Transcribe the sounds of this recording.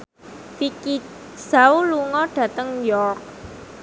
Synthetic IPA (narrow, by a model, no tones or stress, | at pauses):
fiki | sauluŋɔɖ̥ä̤t̪əŋjɔrk̚